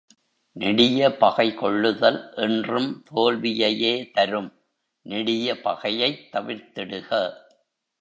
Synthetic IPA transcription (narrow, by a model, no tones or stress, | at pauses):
nɪɽɪjɐpɐɣɐɪkɔɭːɯðɐlʔɛndrɯmt̪oːlʋɪjɐjeːt̪ɐɾɯm | nɪɽɪjɐpɐɣɐjɐɪt̪ːɐʋɪɾt̪ɪɽɯɣɐ